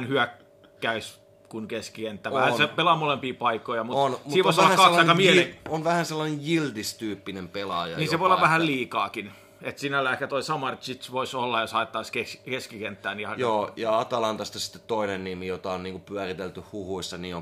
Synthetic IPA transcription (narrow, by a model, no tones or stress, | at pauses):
nhyæk | kæys | kunkeskikent̪ːæːʋæhæsepelɑmolempiːpɑikːˑojɑmutonmsuiːʋoisolːɑhænkɑelːɑɑinekːɑmeonʋæhænselːɑnejjild̪ist̪yːpːinempelɑ̰jɑ̰jniːseʋoijolːɑʋʋæhælliːkɑːkin | et̪sinælːæehkæt̪oisɑmɑrt̪it̪sʋoisolːɑjosɑet̪ːɑiskekeskikent̪ːæːniɑjoːjɑɑt̪ɑlɑnt̪ɑst̪ɑsi̥t̪ːe̥t̪toinennimijot̪ɑonniːŋkupyærit̪elt̪yhhuhuisːɑniːo